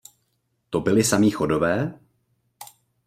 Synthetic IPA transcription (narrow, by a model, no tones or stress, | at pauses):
t̪o̞bɪlɪsamiːxo̞do̞vɛː